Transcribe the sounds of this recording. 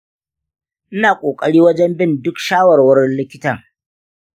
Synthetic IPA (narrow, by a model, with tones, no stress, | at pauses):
ʔɪ˦naː˨kʷʼoː˨kʼɐ˨ɽiː˦wɐ˦d͡ʒɛ˦mbɪ˦˨ndʊ˦kʃaː˦wɐ˨rwɐ˦ɾɪ˦nlɪ˦kʲɪ˦ta˨